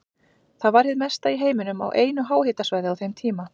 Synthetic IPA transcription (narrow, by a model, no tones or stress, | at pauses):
θaðvaɾhɪðmɛst̪aiɦeːjmɪnʏma̰wʔeːjnʏɦaːwhɪːt̪asvaːjðɪawθejmt̪ʰiːma